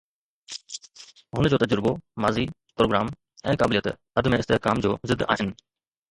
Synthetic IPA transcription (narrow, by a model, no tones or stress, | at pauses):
ɦʊnəd͡ʑoːt̪ɐd͡ʑəɾbomaːzi | pɾoːɡɾaːm | ɛ̃ːkaːbɪlijət̪ | ɐd̪ʱmẽɪst̪eɦkaːmd͡ʑoːzɪd̪ːa̰ːɦɪnɪ̆